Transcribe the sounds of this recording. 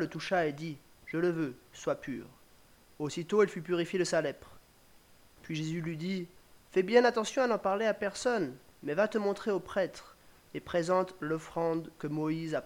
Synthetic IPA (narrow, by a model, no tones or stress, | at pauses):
lət̪uʃaed̪i | ʒ̥ələvøswapy̰ːʁ | osit̪oilfypyʁifjed̪əsalɛpχ | pɥiʒezylɥid̪ifɛbjɛ̃nat̪ɑ̃sjɔ̃anɑ̃paʁleapɛʁsɔn | mɛvat̪əmɔ̃t̪χeopχɛt̪χ | epχezɑ̃t̪lɔfχɑ̃d̪kəmɔizap